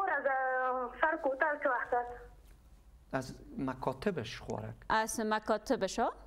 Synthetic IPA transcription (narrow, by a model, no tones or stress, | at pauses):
oɾazasaɾkot̪alkəwaxt̪as | azmakʰɔt̪ɪbeʃχwɒ̰ɾa̰kazmakɔt̪ɪbeʃɔ